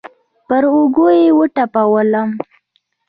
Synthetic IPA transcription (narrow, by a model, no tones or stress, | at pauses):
pəɾoɡojewəʈapawələm